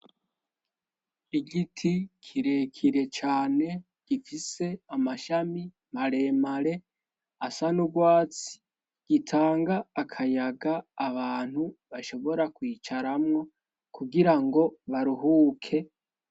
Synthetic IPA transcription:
iɡitʰikʰiɾe̞kʰiɾe̞t͡ʃaːne̞ | ɡ̥ifise̞amaʃami | maɾe̞ːmaɾe̞ | asanuɡwaːt͡si̥ | ɡ̥itʰaːŋɡaːkʰajaɡaːβaːn̥huβaʃo̞βo̞ɾakwiːt͡ʃaɾamŋo̞ | kuɡiɾaŋɡo̞βaɾuɦuːkʰe̞

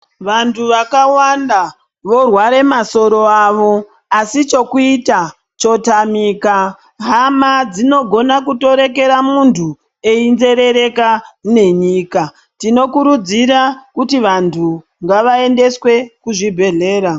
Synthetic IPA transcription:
ʋantʰuʋakawanda | ʋo̞rwaɾe̞maso̞ɾo̞aːʋo̞ | asit͡ʃo̞kuita | t͡ʃo̞tamiːka | ɦamad͡zino̞ɡʱo̞nakuto̞ɾe̞k̬e̞ɾamuntʰu | einze̞ɾe̞ɾe̞kane̞ɲiːka | tino̞kuɾud͡ziɾakutiʋantʰu | ŋɡaʋae̞nde̞swe̞kuʐibʱe̞ɮe̞ːɾa

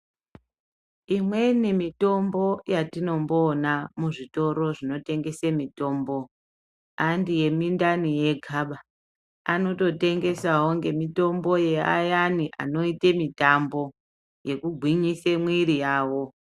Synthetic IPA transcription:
imwe̞ne̞mito̞mbo̞jatino̞mbonamuʐito̞ɾo̞ʐino̞te̞ŋɡe̞semito̞ːmbo̞ | andije̞mindanije̞ɡʱaɓa | ano̞to̞te̞ŋɡe̞saɦoŋɡe̞mito̞mbo̞je̞a̰janiʔa̰no̞itemitambo̞ | je̞kuɡʱwiɲisemwiɾijaːwo̞

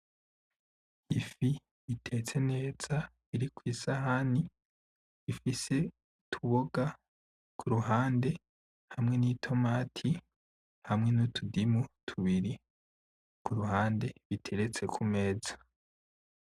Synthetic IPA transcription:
ifi | βitʰe̞t͡se̞ne̞ːz̥a | iɾikwiːsaɦani | ifise̞ | tʰuβoɡa | kʰuɾuɦaːnde̞ | hamŋe̞niːtʰo̞maːtʰi | hamŋe̞nutʰudimutʰuβiɾi | kuɾuɦaːnde̞βitʰe̞ɾe̞t͡se̞kʰume̞ːzḁ

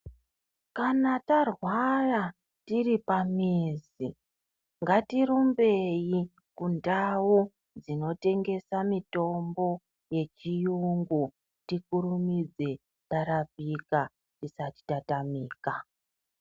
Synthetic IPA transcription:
kanatarwara | tiripamiz | i | ŋɡatiɾumbe̞ji | kundawu | d͡zino̞te̞ŋɡe̞samito̞mbo̞ | je̞t͡ʃijuŋɡu | tikuɾumid͡ze̞ | taɾapika | tisati̥tatamiːka

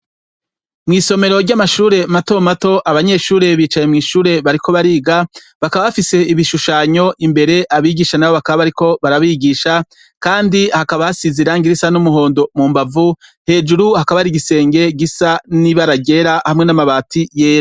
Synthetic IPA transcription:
mŋiːso̞me̞ɾo̞ɾɟamaʃuːɾe̞mato̞mato̞ʔaβaɲe̞ʃuːɾe̞βiːt͡ʃaje̞mŋiːʃuːɾe̞βaɾikʰo̞βaɾiːɡa | βakaβaβafise̞iβiʃuʃaːɲo̞ʔimbe̞ɾe̞ʔaβiːɡiʃanawo̞βakaβaβaɾiko̞βaɾaβiɡiʃa | kaːndihakaβahasiziɾaŋɡiɾisanumuɦo̞ːndo̞muːmbavuhe̞ːd͡ʒuɾuhakaβaɾiɡise̞ːŋɡe̞ɡisaniβaɾaɡe̞ɾahamŋe̞namaβaːtʰije̞ːɾo

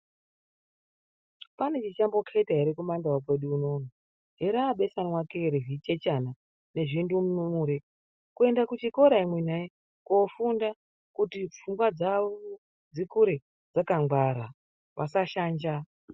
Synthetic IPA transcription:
pane̞t͡ʃit͡ʃambo̞kʰetaiɾikumandawak̬weɗuːno̞ːna | ɦeɾaːɓe̞sanwakeɾeɦit͡ʃet͡ʃana | ne̞ʐindumunumuːɾe | kue̞ndakut͡ʃiko̞ɾaimwenae | kofunda | kutifuŋɡwad͡zaʋo | d͡zikuɾe | d͡zakaŋɡwaɾa | ʋasaʃaːnd͡ʒa

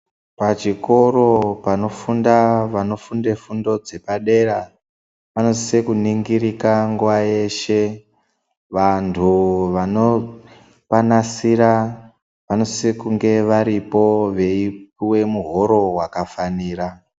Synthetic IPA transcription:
pat͡ʃiko̞ɾo̞pano̞fundaʋano̞funde̞fundo̞d͡ze̞paɗe̞ɾa | ʋano̞ssekuniŋɡiɾikaŋɡuwaje̞ʃe̞ | ʋantʰuʋano̞ | panasiɾa | ʋano̞sekuŋɡe̞ʋaɾipo̞ʋe̞ip̚iwe̞muɦo̞ɾo̞wakafaniːra

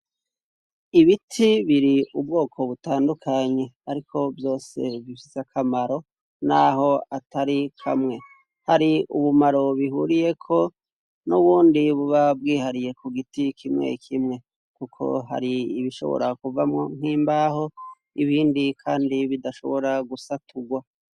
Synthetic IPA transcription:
iβitʰiβiɾiubɡo̞ːkʰo̞βutaːndukʰaɲe̞aɾikʰo̞vjo̞ːse̞vifiseakʰamaɾo̞ | naɦo̞ataɾikʰa̰mŋe̞ | haɾiuβumaɾo̞βiɦṵɾije̞kʰo̞ | nuβuːndiβuβab̚ɡiːhaɾije̞kʰuɡitikʰimŋe̞̰kʰimŋe̞ | kukʰo̞̰ɦa̰ɾiːβiʃo̞̰βo̰ɾakuvamŋoŋ̥hiːmbaho̞ | iβiːndikʰaːndiβidaʃo̞̰βo̞ɾaɡusatʰuɡwa

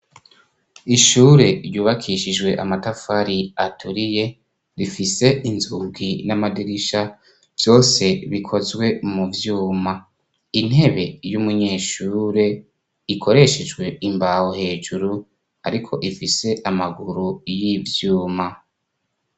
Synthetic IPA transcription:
iʃuːɾeɾjuːβakʰiʃid͡ʒɡwe̞ʔamatafaɾiatʰuɾije̞ | ɾifise̞inzuɡinamadiɾiʃa | v̥jo̞ːse̞βikʰo̞zɡwe̞muvjuːma | in̥he̞βe̞jumuɲeːʃuːɾe̞ | ikʰo̞ɾe̞ʃed͡ʒɡwe̞imbahohe̞ːʒuɾu | aɾikʰo̞̰ʔifise̞ʔamaɡuɾujivjuːma

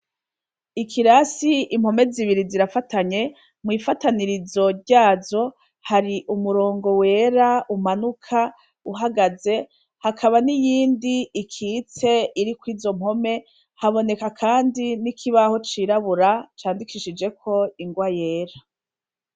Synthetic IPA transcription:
ikʰiɾasiim̥ho̞me̞ziβiɾiziɾafataɲe̞ | mwiːfataniɾizo̞ɾɟaːzo̞ | haɾiʔumuɾo̞ːŋɡo̞we̞ːɾaumanukʰa | uɦaɡaze̞ | hakʰaβanijiːndiːkʰit͡se̞iɾikwiːzo̞m̥ho̞me̞ | haβo̞ne̞kakʰaːndinikʰiβaho̞t͡ʃiɾaβuɾat͡ʃaːndikʰiʃid͡ʒe̞kʰo̞iŋɡwaje̞ːɾa

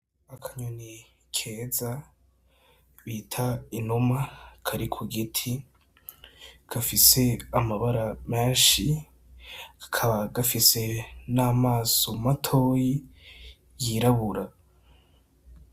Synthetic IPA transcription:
akʰaɲuni | kʰeːza | βiːtʰainumakʰaɾikʰuɡitʰi | ɡ̥afise̞amaβaɾameːnʃi | kʰaβaɡafise̞naːmaːso̞matʰo̞ːji | jiɾaβuɾa

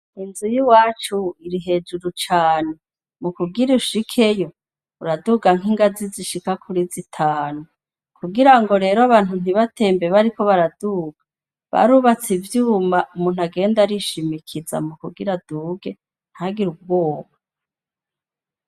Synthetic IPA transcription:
inzujiwaːt͡ʃuiɾiɦe̞d͡ʒuɾut͡ʃaːne | mukuɡiɾiuʃikʰe̞jo̞ | uɾaduɡaŋ̥iŋɡaziziʃikakʰuɾizitʰaːnu | kuɡiɾaŋɡo̞ɾe̞ːɾoaβaːn̥un̥iβatʰe̞ːmbe̞βaɾiko̞βaɾaduɡ̥a | βa̰ɾuβat͡sivjuːmaʔumuːnhuaɡe̞ːndaɾiʃimikʰiza̰mukuɡiɾaduːɡe̞ | n̥haɡiɾub̚ɡo̞ːβa

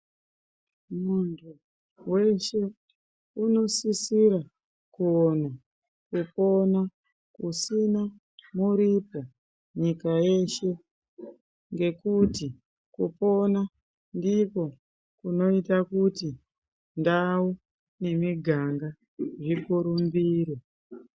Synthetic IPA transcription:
muntʰu | we̞ʃe̞ | uno̞sisiɾa | kuona | kupo̞na | kusina | muɾipa | ɲikaje̞ʃe̞ | ŋɡe̞kuti | kupo̞na | ndiko̞ | kuno̞itakuti | ndawu | ne̞miɡʱaŋɡa | ʐikuɾumbiːɾe

